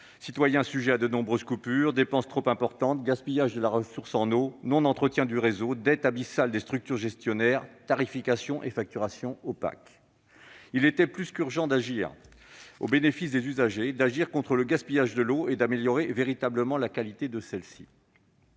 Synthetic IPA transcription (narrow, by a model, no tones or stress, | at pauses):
sit̪wajɛ̃syʒɛad̪ənɔ̃bʁøzkupyʁd̪epɑ̃st̪χopɛ̃pɔʁt̪ɑ̃t̪̚ɡaspijaʒd̪əlaʁəsuʁsɑ̃nonɔ̃nɑ̃t̪χət̪jɛ̃d̪yʁezod̪ɛt̪abisald̪est̪χyk̚t̪yʁʒɛst̪jɔnɛʁt̪aʁifikasjɔ̃ʔefak̚t̪yʁasjɔ̃opa̰k | ilet̪ɛplyskyʁʒɑ̃d̪aʒiʁ | o̰benefisd̪ezyzaʒed̪aʒiʁkɔ̃t̪χələɡaspijaʒd̪əloed̪ameljɔʁeveʁit̪abləmɑ̃lakalit̪ed̪əsɛlsi̥̰